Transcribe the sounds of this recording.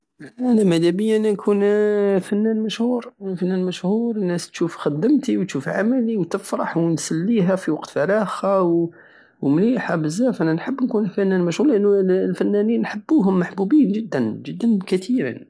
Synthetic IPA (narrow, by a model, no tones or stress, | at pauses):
ʔænæmæd̪æbəjːænænkʰunfænːænmæʃhuːɾfænːænmæʃhuɾənːæst̪ʃufxæd̪ːəmt̪iwt̪ʃufʕa̰mæliwt̪əfɾˤɑħwnsælːiɦæfiwɑqt̪fɑɾɑxaw | wmliħabəzæfʔænænħəbːnkunfænːænmæʃhuːɾlʔənːulfænːæninːħəbːuɦʊmːaħbubiːnʒəd̪ːənʒəd̪ːənkæt̪ʰiɾḭn